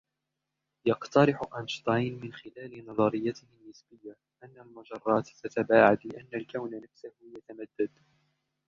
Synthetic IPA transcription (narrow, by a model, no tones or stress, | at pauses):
jɑqt̪ɑɾɪħʊʔanʃt̪ˤɑjnmɪnxɪlaːlɪnɑðˤɑɾɪjːat̪ɪhɪnːɪsbɪjːa | ʔanːalmʊd͡ʒɑrˤːɑːt̪t̪at̪abaːʕad̪lɪʔanːalkawnnafsahjat̪amad̪ːad̪